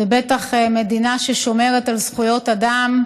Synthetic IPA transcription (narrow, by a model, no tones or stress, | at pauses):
ebet̪aχme̞d̪inaʃeʃo̞me̞ʁet̪alzχujo̞t̪ad̪am